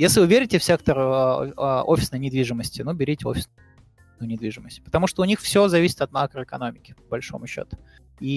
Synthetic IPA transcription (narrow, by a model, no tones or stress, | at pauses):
jesʲlʲɪvɨvʲeɾʲɪtʲɪfsʲek̚t̪ərə̰əʔofʲɪsnəjnʲɪd̪vʲiʐɨməsʲtʲɪnubʲɪɾʲitʲɪo̰fʲɪ̥s | nənʲɪd̪vʲiʐɨməsʲtʲɪ̥pə̥t̪ɐmuʂt̪oʊnʲixfsʲozɐvʲisʲɪ̥t̪ɐt̪makɾəɪkɐnomʲɪkʲɪ̥pəbɐlʲʂo̞mʊɕːo̰t̪ʊ̥ | i